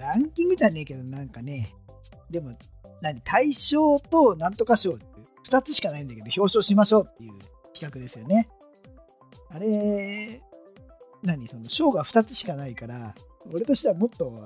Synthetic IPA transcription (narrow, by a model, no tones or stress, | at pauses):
ɾãŋkʲĩŋɡit̪anːe̞ːke̞d̪o̞nãŋkane̞ | d̪e̞mo̞ | naɲ̟it̪ʰaiɕo̞ːt̪o̞nãnt̪o̞kaɕo̞ːt̪ | ɸɯ̥t̪at͡sɨɕi̥kanaĩnd̪aked̪o̞çʲo̞ːɕo̞ːɕimaɕo̞ːt̪ːe̞jɯ̟̰ː | kʲi̥kakɯ̟d̪e̞sɨjo̞ne̞ | aɾe̞ | naɲ̟iso̞no̞ɕo̞ːɡaɸɯ̟̥t̪at͡sɨ̥ɕi̥kanaikaɾao̞ɾe̞t̪o̞ɕi̥t̪e̞βamo̞t̪ːo̞